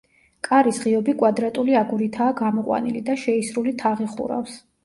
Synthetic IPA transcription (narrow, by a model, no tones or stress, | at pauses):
kʼaɾisʁiɔbikʼwad̪ɾat̪ʼuliaɡuɾit̪ʰaːɡamɔqʼwa̰nilid̪aʃɛisɾulit̪ʰaʁiχṵɾa̰fs